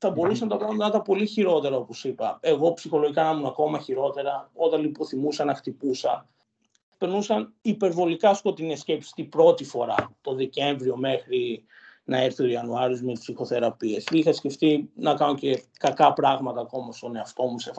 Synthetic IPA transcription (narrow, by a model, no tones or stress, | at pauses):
θɐbo̞ɾusɐnɐt̪ɐkɐnɐt̪ɐpo̞liçiɾo̞t̪e̞ɾɐo̞po̞sipɐe̞ɣo̞psixo̞lo̞ʝikɐnɐmunɐko̞mɐçiɾo̞t̪e̞ɾɐo̞t̪ɐnlipo̞θimusɐnɐxt̪ipusɐ | pe̞ɾnusɐnipe̞ɾvo̞likɐsko̞t̪inescepsi̥st̪ibɾo̞t̪ifo̞ɾɐ̰t̪o̞ðece̞ɱvɾio̞me̞xɾi | nɐeɾθioiɐnuɐɾiozmepsixo̞θe̞ɾɐpie̞sixɐsce̞ft̪inɐkɐno̞ce̞ | kɐkɐpɾɐɣmɐt̪ɐːko̞mɐst̪o̞ne̞ɐft̪o̞musef